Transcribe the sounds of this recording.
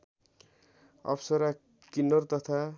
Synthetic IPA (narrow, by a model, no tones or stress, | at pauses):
ʌ̰psʌɾa | kinʌrt̪ʌt̪ʰa